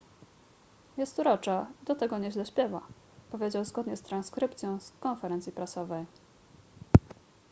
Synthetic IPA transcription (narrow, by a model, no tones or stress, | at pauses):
jɛst̪uɾɔt͡ʂad̪ɔt̪ɛɡɔɲɛʑlɛɕpʲjɛva | pɔvʲjed͡ʑawzɡɔd̪ɲɛst̪ɾanskɾɘpt̪sʲjɔ̃w̃skɔnfɛɾɛnt̪sʲjipɾasɔvɛj